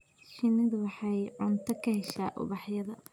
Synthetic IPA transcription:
ʃɪnɪðɐwɑħɑjʕʊnt̪ʰɐkʰɐhɛʃa̰ːʔʊ̰βɑħjɐðɐ

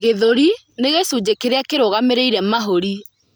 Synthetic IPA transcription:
ɣeðoɾi | neɣesud͡ʑekeɾeakeɾoɣameɾeiɾɛmaɦoɾi

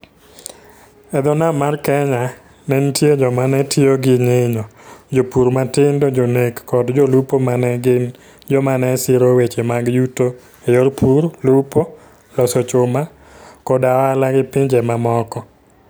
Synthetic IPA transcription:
ɛd̪ɔnamarkɛɲa | nɛntjed͡ʒɔmanɛtʰjoɡɪŋeɲɔd͡ʒopuɾmatɪndod͡ʒonekːɔdd͡ʒolupomanɛɡɪn | d͡ʒɔmanɛsɪɾowet͡ʃemaɡjuto | ejoɾpʰuɾlupo | lɔsɔt͡ʃʊma | kɔdawalaɡɪpɪɲd͡ʒɛmamɔkɔ

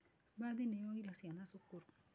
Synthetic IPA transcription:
bad̪inejɔiɾasianasokoɾ

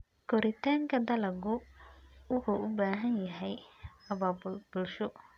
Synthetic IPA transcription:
kɔɾɪt̪ʰaːŋkʰɐd̪ɐlɐɡʊ | wʊħuʔʊbaːɦɐnjɐɦɛjɐbɐbb̥ʊlʃɔ

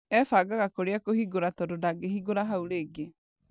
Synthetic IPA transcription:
ɛfaːɡaɣakoɾeakohiɡoɾatɔdodaɡeɦiɡoɾaɦauɾeːɡe

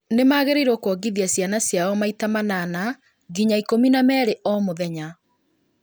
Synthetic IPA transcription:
nemaːɣeɾeiɾokwɔɡiðiasjanasjaɔmaitamanana | ɡiɲaikominamɛːɾeʔɔmoðɛɲa

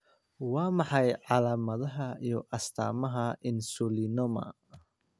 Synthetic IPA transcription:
wɑːmɑħɑjʕɑlaːmɐðɐɦɐijɔʔɐst̪ʰa̰ːmɐɦɐʔɪnsʊlinɔmɐ̰

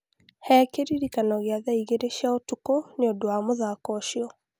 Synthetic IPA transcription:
hɛkeɾiɾikanɔɣeaðaiɣeɾeʃjaotukoneodowamoðakɔʃiɔ

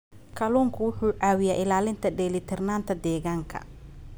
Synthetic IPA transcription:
kʰɐluːŋkʰʊwʊħuːʕɑːwɪjaːʔɪlaːlɪnt̪ʰɐɖɛːlɪt̪ʰɛrnaːnt̪ʰɐd̪ɛːɣaːŋkʰɐ̰

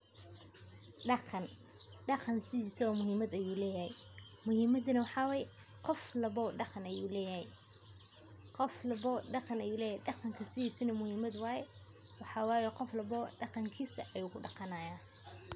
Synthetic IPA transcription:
ɖɑqʰɑn | ɖɑqɑnsɪðiːsɐɔːmʊɦiːmɐd̪ɐjuːlɛːjɐhɛj | mʊhiːmɐd̪inɐwɑħɑːwɑːjɛ | qɔflɐβɔːɖɑqɑnɐjuːlɛːjɐhɛj | qɔflɐβɔːɖɑqɑnɐjuːlɛːjɛjɖɑqɑŋkʰɐsɪðiːsɐnɐmʊhiːmɐd̪wɑːjɛ | wɑħɑːwɑːjɔqɔflɐβɔːɖɑqɑŋkʰiːsɐʔɐjuːkʰʊɖɑqɑnaːjaː

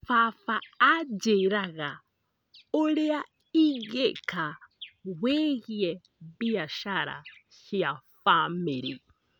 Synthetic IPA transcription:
fafaːd͡ʒɛɾaɣa | ɔlɛa | iɣɛkʰawɛɣiɛ | biaʃaɾa̰ | ʃiafamiɾi

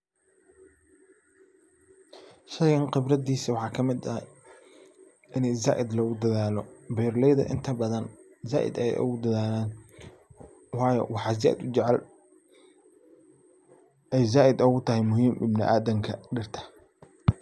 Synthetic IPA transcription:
ʃɐɣɐnqɪbrɐd̪iːsɐwɑħɑːkʰɐmɪd̪ɐhj | ʔɪnɛjza̰ːʔɪd̪lɐɣʊd̪ɐðaːlɔbɛːrlɛjðɐ̰ʔɪ̰nt̪ʰɐbɐðɐn | za̰ːʔɪ̰d̪ɛɛ̰jʔʊ̰ɣʊd̪ɐðaːlaːn | wɑːjɔ̰wɑħɑz̬a̰ʔd̪ʊt͡ʃɛʕɛl | ɛjzaːʔɪd̪ʊɣʊt̪ʰɐɦɛjmʊhiːmʔɪbnɪ̰ʔa̰ːdɐŋkʰɐɖɪrt̪ʰɐ̥

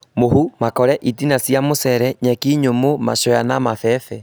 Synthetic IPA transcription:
mohumakɔɾɛʔitinasjamosɛɾɛɲɛkiɲomoma̰ʃɔjanamafɛfɛ

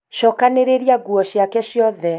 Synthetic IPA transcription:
ʃɔkaneɾeɾiaɡuɔʃiakɛʃiɔðɛ

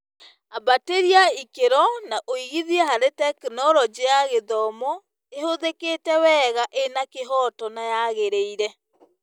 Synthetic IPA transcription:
abateɾiaikeɾɔnaʔoiɣiðiɛɦaɾetɛkenɔɾɔd͡ʑeaɣeðɔmɔ | ehoðeketɛwɛɣaʔenakeɦɔtɔnajaɣeɾeiɾɛ

